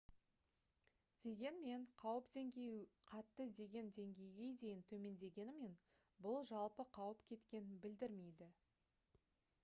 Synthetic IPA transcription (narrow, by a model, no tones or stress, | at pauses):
d̪̥e̞ɡʲe̞nme̞ɴqʰɑwəpd̪e̞ŋɡʲe̞jqʰɑt̪ːəd̪e̞ɡʲe̞nd̪e̞ŋɡʲe̞jɡʲe̞jd̪e̞jɪnt̪ʰɵme̞nd̪e̞ɡʲe̞nɪme̞n | bʊlˠʒɑlˠpəqʰɑwəpkʲʰe̞t̪kʲe̞nɪnbɪld̪ɪɾme̞jd̪ɪ